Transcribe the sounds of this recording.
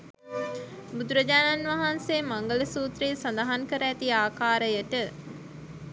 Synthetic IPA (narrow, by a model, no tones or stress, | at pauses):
bud̪uɾəd͡ʒaːnanʋaɦanseːmaŋɡələsuːt̪ɾeːsand̪aɦankəɾəæt̪iaːkaːɾəjəʈə